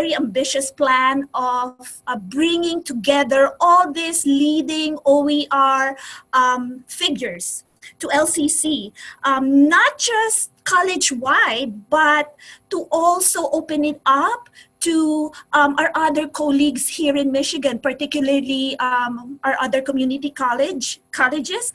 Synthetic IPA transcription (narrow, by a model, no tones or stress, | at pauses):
vɛɹiɐ̃mbɪʃʊsplæ̃nɔvbɹɪ̃ŋɪ̃ŋt̪ʊɡɛðəɹʔɔlˠðɪslid̪ɪ̃ŋoiʔaɹʔmfɪɡjʊɹs | t̪uʔɛlsisiʔʌmnat̪̚d͡ʒʌst̪̚kʰɑlɪd͡ʒwaɪd̪̚bɐt̪ːuʔɔlsoʔoʊpɛ̃nɪt̪ʌp̚t̪uʔmʔaɹʔʌd̪əɹkʰoliɡshiɹɪ̃nmɪʃɪɡɐ̃npɐɹt̪ɪkjʊl̩əɹlimʔaɹʔʌd̪əɹkɔmjunɪt̪ikalɪd͡ʒkʰɑlɛd͡ʒɪs